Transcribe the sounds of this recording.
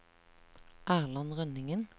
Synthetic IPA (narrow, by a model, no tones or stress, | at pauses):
ʔæːʁlɑnʁœnɪŋən